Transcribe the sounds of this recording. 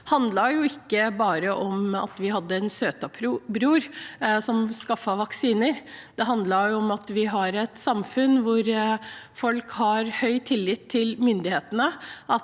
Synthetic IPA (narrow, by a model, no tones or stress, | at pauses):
hɑnd̪lɑjʊɪkːəbɑːɾəʔɔmɑ̰t̪ʋɪɦɑd̪ːəɛnsøːt̪ɑpʰɾbɾuːɾsɔmskɑfːɑʋɑksiːnəɾd̪̥ɛɦɑnd̪lɑɾjʊɔmɑt̪ʋɪɦɑɾɛt̪sɑmfʉnʋʊɾfɔlkhɑɾhœʏt̪ʰɪlːɪt̪ʰːɪlmʏnd̪ɪheːt̪ənəʔɑ